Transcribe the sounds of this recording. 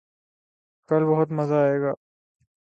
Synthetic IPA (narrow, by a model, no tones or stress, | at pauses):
kɐlbɐɦʊt̪mɐzaːeːɡaː